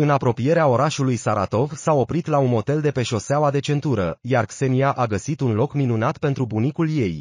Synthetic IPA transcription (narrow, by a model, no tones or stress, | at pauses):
ɨnapɾo̞pije̞ɾeao̞ɾaʃulujsaɾa̰t̪o̞vsao̞pɾit̪launmo̞t̪e̞ld̪e̞pe̞ʃo̞seawad̪e̞t͡ʃe̞nt̪uɾə̰jarkse̞niaʔaɡəsit̪unlo̞kminunat̪pe̞nt̪ɾubunikulje̞j